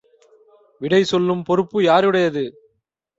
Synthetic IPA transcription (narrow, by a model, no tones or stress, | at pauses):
ʋɪɽɐɪsɔlːɯmpɔɾɯpːɯjaːɾɯɽɐjɐðɯ